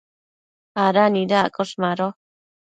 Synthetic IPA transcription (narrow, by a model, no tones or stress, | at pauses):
aɾanidakʼɔʂmaɾɔ